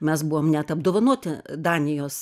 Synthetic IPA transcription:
mʲɛsbuʋoːmnʲɛt̪ɐb̚d̪oːʋɐnuɔt̪ʲɪd̪ɑːnʲɪjoːs

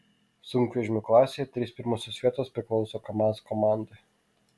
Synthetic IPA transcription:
sʊŋʲkʋʲɛʒʲmʲʊklˠɑːsʲeɛt̪ʲɾʲispʲɪɾmɔsʲoːsʲʋʲiɛt̪oːspʲɾʲɪklˠɒʊsokɐmɑːskɔmɑˑnd̪e

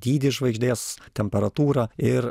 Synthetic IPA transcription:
d̪ʲiːd̪ʲɪʒʋɐɪɡʒʲd̪ʲeːst̪ʲɛmʲpʲɛɾɐt̪uːɾɑɪɾ

